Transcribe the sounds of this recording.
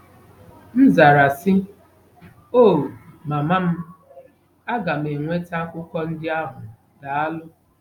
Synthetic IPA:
n̩˦za˨ɾa˨sɪ˦ | oː˦˨ma˨ma˦m̩˦ | a˦ɡa˨m̩e˨ŋʷe˦ta˦kʷʊ˦kɔ˦n̩˦dɪ˦a˦ɦʊ˨ | da˨a˦lʊ˦

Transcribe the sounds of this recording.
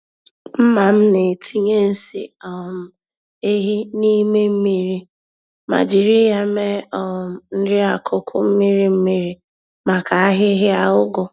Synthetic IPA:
m̩˦ma˨m̩˦ne˨tʰi˦ɲe˦n̩˦sḭ˨ɔ˨m̩˨ | e˦ɦi˦ni˦me˦m̩˦mi˦ɾi˦ | ma̰˨d͡ʒi˨ɾi˦ja˨me˦ɔ˨n̩˦dɪ˦a˨kʰʊ˦kʰʊ̰˦m̩˦mi˦ɾi˦m̩˦mi˦ɾi˨ | ma˨ka˨a˦ɦɪ˦ɦɪ˦a˨ʊ˦ɡʊ˨

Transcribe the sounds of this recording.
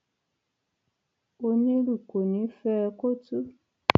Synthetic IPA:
o˧nĩ˦ɾu˨ko˨nĩ˨˦fɛ˦ko˦tu˦

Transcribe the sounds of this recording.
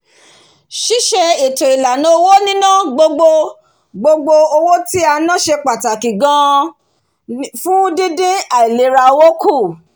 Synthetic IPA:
ʃi˦ʃe˧i˨to˨i˨la˨nã˨˦o˧wo˦nĩ˦nã˦˨ɡ͡bo˧ɡ͡bo˧ | ɡ͡bo˧ɡ͡bo˧o˧wo˦ti˦a˧nã˦ʃe˧k͡pa˨ta˨ki˨ɡã˧ | fũ˦dĩ˦dĩ˦a˨i˨le˨˦ɾa˧wo˦ku˦˨

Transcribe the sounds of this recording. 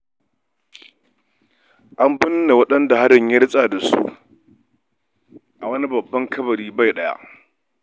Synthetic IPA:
ʔa˦mbɪ˦nː˦a˨wɐ˦ɗɐ˦nda˨ha˦dɪ˨ɲjɐ˦ɽɪ˦sʼa˨da˨sṵ˦ | ʔa˨wɐ˦ni˦bɐ˨bːɐ˦ŋkʰɐ˦bɐ˨ɾiː˦ba˦˨jɗɐ˦ja̰˦ʔ

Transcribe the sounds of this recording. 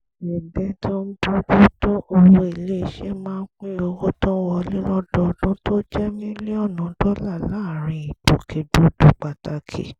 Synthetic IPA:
ɛ˨bɛ˦tʰɔ̃˦n̩˦bu˦do˦to˦ʔo˧wo˧e˨le˦˨ʃe˦mãː˦˧n̩˦k͡pĩ˦o˧wo˦tɔ̃˦wɔ˧lĩ˦lɔ˦dɔ˧dũ˦to˦d͡ʒɛ˦mĩ˦li˦ɔ˦˨nɔ̃˨˦dɔ˦la˦˨laː˦˨ɾ̃ĩ˧i˨to˨kʰe˨do˨˦do˨˦k͡pa˨ta˨kʰḛ˨

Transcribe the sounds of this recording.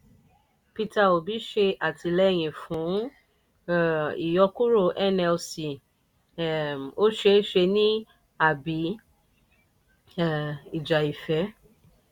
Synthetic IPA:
pi˧ta˧˨o˨bi˨˦ʃe˧a˨tʰi˧lɛ˦˨j̃ĩ˨fũ˨˦˨ | ḭ˨jɔ˧ku˦ɾo˦˧˨ʔɛ˦nɛ˧lsi˨ | o˦ʃe˧˦ʃe˧nĩ˦ | a˨bi˨˦˨ | i˨d͡ʒa˨i˨fɛ˨˦

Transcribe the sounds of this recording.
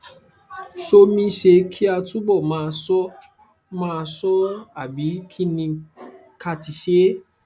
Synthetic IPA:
ʃo˧mĩ˧ʃe˧kʰi˦a˧tũ˦bɔ˦˨mãː˦˧sɔ˦ | mã˦˧sɔ˦a˦˨bi˨˦kʰi˦nĩ˧ | ka˧ti˧ʃe˦

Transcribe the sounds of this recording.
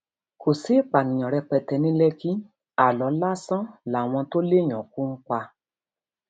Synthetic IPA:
kʰo˨si˨˦˨k͡pa˨nĩ˨j̃ɔ̃˨ɾɛ˧k͡pɛ˧tɛ˧nĩ˦lɛ˦kĩ˦ | a˨lɔ˨˦la˦sɔ̃˦la˨w̃ɔ̃˧to˦le˦˨j̃ɔ̃˨kũ˦ŋ̩˦k͡pa˧

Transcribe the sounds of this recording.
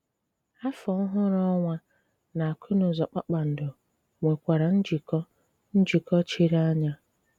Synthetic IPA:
a˦fɔ˨˦ɦʊ˦ɾɔ˦ŋʷa˦ | na˨a˨kʰʷʊ˦nʊ˨zɔ˨k͡pa˦k͡pa˨n̩˨dʊ˨ | ŋʷe˨kʷa˨ɾa˨n̩˦d͡ʒi˨kɔ˦ | n̩˦d͡ʒi˨kɔ˦t͡ʃi˦ɾa˦ɲa˦

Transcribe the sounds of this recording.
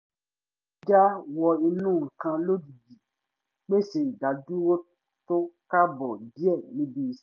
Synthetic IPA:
d͡ʒa˦wɔ˧i˧nũː˦˨ŋ̩˨kã˧lo˦di˨bi˨ | k͡pe˦se˨ɡa˨du˦wo˦ | to˦ka˦bɔ˨di˦ɛ˦˨nĩ˨˦bi˦˧s

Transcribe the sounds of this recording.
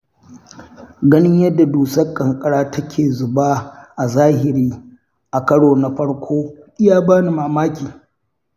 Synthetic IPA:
ɡɐ˦nɪ˦ɲjɐ˦dːa˨duː˨sɐ˦kʼːɐ˨ŋkʼɐ˨ɽaː˦tʰɐ˦kʲʰeː˨zʊ˨baː˦ʔa˨zaː˦hɪ˨ɾiː˦ | ʔa˨kɐ˦ɽoː˨na˨ɸɐ˦ɽkʷʰoː˦ʔɪ˦jaː˦baː˦ni˨maː˨maː˦kʲiː˨

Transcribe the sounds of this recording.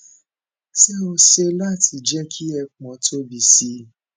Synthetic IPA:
sɛ˦o˧se˧la˦˨tʰi˧d͡ʒɛ˦kʰi˦ɛ˧k͡pɔ̃˨˦tʰo˦bi˧si˧˦

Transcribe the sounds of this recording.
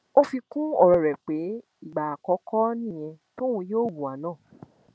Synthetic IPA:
o˦fi˧kũ˦ɔ˦˨ɾɔ˨ɾɛ˨k͡pe˨˦ | i˦˨ɡ͡ba˨a˨kɔ˨˦kʰɔ˦nĩ˦˨j̃ɛ̃˧to˦wũ˧˦joː˦˨wũ˨a˨˦nãː˦˨

